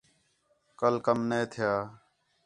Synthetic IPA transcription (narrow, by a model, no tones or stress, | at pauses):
kəlkəmneːt̪ʰɪjaː